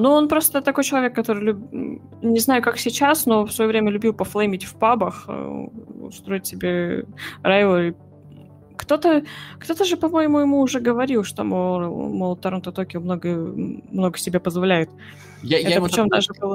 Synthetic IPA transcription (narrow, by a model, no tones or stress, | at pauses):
nuo̞npɾo̞st̪ət̪ɐko̞jt͡ɕɪlˠɐvʲe̞kːɐt̪o̞ɾɨjlʲʉb | nʲɪznajʊkaksʲɪt͡ɕasno̞fsvɐjovɾʲemʲəlʲʉbʲilˠpɐflˠemʲɪtʲfpabəxʊ̰st̪ɾo̞jɪtʲsʲɪbʲeɾajlˠəɨ | kt̪o̞t̪əkt̪o̞t̪əʐɨpɐmojɪmujɪmuːʐɛɡəvɐɾʲilˠʂt̪omomolˠət̪ːɐɾont̪ɐt̪okʲɪmnoɡəmno̞ɡəsʲɪbʲepəzvɐlʲæjʊt̪ | jɛt̪pɪt͡ɕo̞md̪aʐɨbɨlˠ